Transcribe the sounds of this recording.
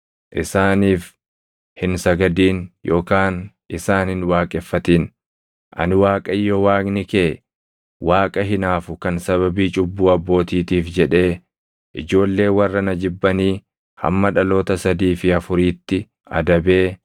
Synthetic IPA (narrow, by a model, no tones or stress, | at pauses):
ʔɪsaːniːf | hɪnsɐɡɐd̪iːnjʔo̞ːkaːn | ʔɪsaːnhɪnwaːkʼɛfːɐt̪iːn | ʔɐ̰nɪwaːkʼɐjːɔwaːɡnɪkeː | waːkʼɐɦɪnaːfʊkɐnsɐβɐbiːt͡ʃʼʊbːuːɐbːo̞ːt̪iːt̪iːfd͡ʒɛᶑe̞ː | ʔɪd͡ʒo̞ːlːe̞ːwɐrːɐnɐd͡ʒɪbːɐniː | hɐ̰mːɐᶑɐlo̞ːt̪ɐsɐd̪iːfɪɐfʊɾiːt̪ːɪ | ɐ̰d̪ɐbe̞ː